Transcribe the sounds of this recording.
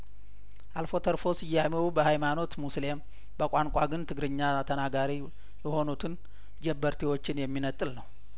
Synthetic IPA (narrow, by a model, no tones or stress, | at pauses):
ʔalfo̞t̪ʰəɾfo̞sɨjːamewubəhajmano̞t̪muslem | bəkʷʼaŋkʷʼaɡɨnt̪ʰɨɡɾɨɲːat̪ʰənaɡaɾi | jɛho̞nut̪ʰɨn | d͡ʒɛbːəɾt̪ʰiwo̞t͡ʃːɪnjɛmːinət̪ʼɨlnəw